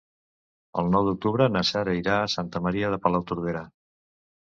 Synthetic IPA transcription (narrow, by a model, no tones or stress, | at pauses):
ə̰lˠnɔwd̪uk̚t̪uβɾənasaɾəjɾaːsant̪əməɾiəð̞əpəlawt̪uɾðeɾa